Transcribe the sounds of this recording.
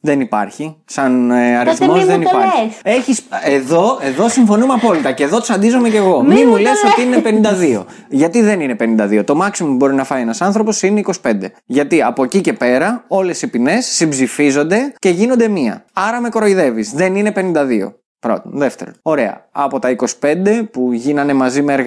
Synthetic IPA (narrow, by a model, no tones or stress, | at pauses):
ðe̞nipɐɾçisɐnɐɾiθmozðenipɐɾieçiseðoe̞ðo̞siɱfo̞numeɐpo̞lit̪ɐce̞ːðo̞t̪i̥sɐnd̪izo̞me̞ce̞ɣo̞mimule̞so̞t̪iinepe̞nĩnd̪ɐðio̞̰ | ʝɐt̪iðe̞nine̞pe̞nind̪ɐðio̞t̪o̞mɐksimoubo̞ɾinɐfɐjenɐsɐnθɾo̞po̞sineiko̞si̥pe̞nd̪e̞ | ʝɐt̪iɐpocice̞pe̞ɾɐo̞le̞sipine̞sːibzifizo̞nd̪e̞ce̞ʝinond̪e̞miɐ̰ɐɾɐme̞ko̞ɾo̞iðe̞vizðe̞nine̞pe̞nind̪ɐðio̞̰ | pɾo̞̰t̪onðe̞ft̪e̞̰ɾono̞ɾe̞ɐ̰ɐ̰po̞t̪ɐiko̞si̥pe̞nd̪e̞puʝinɐne̞mɐzimeːɾɣ